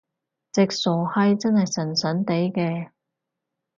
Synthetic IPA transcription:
t͡sɪ˨k̚sɔː˨˩hɐ˥jt͡sɐ˥nhɐ˨jsɐ˨˩nsœː˨˥nt̪e˨˥jkɛː˧

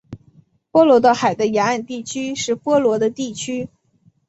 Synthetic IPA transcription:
pwɔ˥lwɔ˧˥d̪ə˧˩xa˨˩ɪd̪ə˦ja˧˥a˥˧nt̪i˥˩t͡ɕʰy˥ʂɻ̩˥˩pwɔ˥lwɔ˧˥d̪ə˧t̪i˥˩t͡ɕʰy˥

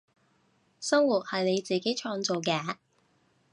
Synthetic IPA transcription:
sɐ˥ŋwuː˨˩t̚hɐ˨jne˨˧jt͡siː˨˩ke˨˥jt͡ʃʰɔː˧ŋt͡so˨wkɛː˧

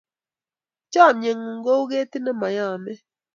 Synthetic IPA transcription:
t͡ʃa˦˨mje˨ŋu˨ŋ̩˨ɡo˦u˦ɣe˦ti˦nə˦ma˨ja˦˨mɛ˦

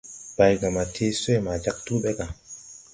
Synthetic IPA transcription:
ba˨jɡa˨ma˨tʰe˦sɔ˦jma˨d͡ʒa˦k̚tu˦ɓɛ˦ɡa˨

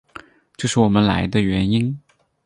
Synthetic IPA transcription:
ʈ͡ʂɤ˥˧ʂɻ̩˥˩wɔ˨˩mə˦nla̰˧˥ɪd̪ə˧ɥɛ˧˥ni˥n

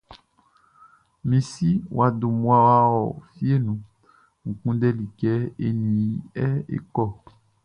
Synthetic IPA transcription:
mĩ˨si˦wa˨do˨mũ˦a˦wa˦wɔ˨fi˦e˦nũ˨ | ŋ̩˨kũ˦dɛ˦li˨kɛ˦e˦nĩ˨˦ɛ˦ḛ˨kɔ˦˨

